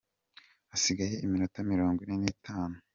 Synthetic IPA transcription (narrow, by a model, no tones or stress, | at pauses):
asiɡaje̞iminutamiɾo̞ːŋɡwinenitʰaːnu